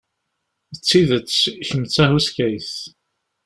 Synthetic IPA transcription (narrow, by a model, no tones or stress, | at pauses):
ət͡sːiðət͡sːçəmt͡sːæhuskæjθ